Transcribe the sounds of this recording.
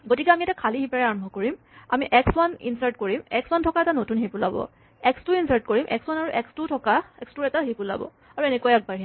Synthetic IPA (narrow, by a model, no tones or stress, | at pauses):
ɡotikɛamiɛtakʰaliɦipaɹɛaɹɔmbʱɔkoɹim | a̰miʔɛkswanḭnsaɹtkoɹimɛkswantʰɔkaɛtanotunɦepʊlabɔ̰ | ɛkstuinsaɹtkoɹimʔɛ̰kswanaɹuʔɛkstutʰɔkaɛkstuɹɛtaɦipʊla̰bɔ̰ | aɹuɛnekɔjɛk̚baɹɦe